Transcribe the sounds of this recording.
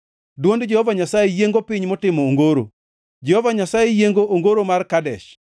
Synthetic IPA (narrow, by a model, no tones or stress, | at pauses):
dwondd͡ʒɛhɔvaɲasajejeŋɡopɪɲmɔtɪmɔoŋɡoɾo̰ | d͡ʒɛhɔvaɲasajejeŋɡoʔoŋɡoɾomarkadɛʃ